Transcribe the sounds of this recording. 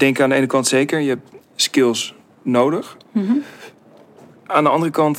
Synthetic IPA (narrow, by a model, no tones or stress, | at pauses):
d̥ɛŋkaːndəeːnəkɑntseːkəɹjəɛp̚ | skɪlˠs | nowdəx | aːndəɑndərəkɑnt